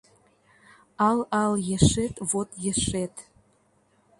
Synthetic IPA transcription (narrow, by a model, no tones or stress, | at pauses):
ɑlɑljĕʂet̪vot̪jĕʂet̪